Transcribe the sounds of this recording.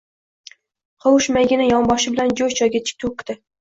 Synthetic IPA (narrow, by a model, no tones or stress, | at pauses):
qʰowʊʃmæɡʲɪnɪjɒŋbɑʃɪbɪlænd͡ʒojt͡ʃʰɑjɡʲɛt͡ʃʰɪ̥k̚ʲt̪ʰokʲːt̪ɪ